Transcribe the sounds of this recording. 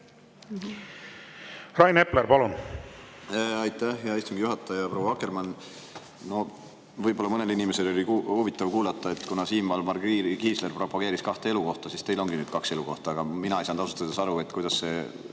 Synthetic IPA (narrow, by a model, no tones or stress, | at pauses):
rɑjne̞pleɾpɑlun | ɑjt̪ːæhjɑist̪uŋɡ̥ijuɦɑt̪ːˑɑjɑpro̞wːɑɑkːˑe̞rmɑn | no̞ | vɤjbo̞lːɑmɤne̞linime̞se̞lo̞liuhuvit̪ːˑɑvkuːlɑt̪ːˑɑe̞t̪ːˑkunɑsiːmvɑlmɑrɡɡiːsle̞rpro̞pːɑɡ̥e̞ːɾiskɑht̪ee̞luko̞ht̪ɑsist̪e̞jlo̞ŋɡ̥inyːd̪̥̚kɑkse̞luko̞ht̪ɑɑɡ̥ɑminɑisɑnd̪ɑsu̥t̪ɑd̪esɑɾue̞t̪kujd̪̥ɑsːe̞